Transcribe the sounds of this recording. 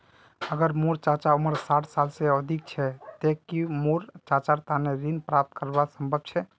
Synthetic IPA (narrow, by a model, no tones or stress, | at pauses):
əɡəɾmuɾt͡ʃat͡ʃaoməɾsaʈʰsalseəd̪ʱik̚t͡ʃʰɛt̪ekːimoɾt͡ʃat͡ʃaɾt̪aneɾinpɾap̚t̪̚kəɾbasəmbʱəb̚t͡ʃʰɛ